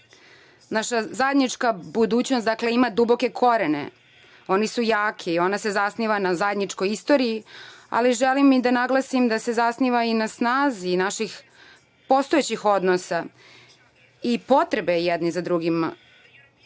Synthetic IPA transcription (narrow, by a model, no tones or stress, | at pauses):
naʃazajed̪nit͡ʂkabud̪uːt͡ɕnost̪d̪akle̞imad̪ubo̞ke̞kʰo̞ɾenḛ | o̞nisujaːkʰiːo̞nase̞zasniʋanazajed̪nit͡ʂko̞jist̪o̞ɾiia̰liʒelimːid̪anaɡlˠasimd̪ase̞zasniʋainasnaːzinaʃix | po̞st̪oet͡ɕixo̞d̪nosa | ipo̞t̪ɾebejɛd̪nizad̪ɾuɡima̰